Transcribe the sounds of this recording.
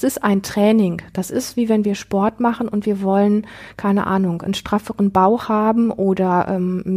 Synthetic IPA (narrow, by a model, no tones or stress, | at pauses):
sɪstʔaɪntʁ̥ɛːnɪŋd̥asɪstv̥iːvɛnviːɐʃpɔɐtmaχən̩ʊntv̥iːɐvɔlənkʰaɪnə̰ʔa̰ːnʊŋnʃtʁ̥afəʁənbaʊxhaːbm̩ʔoːdɐʔɛ̰ːm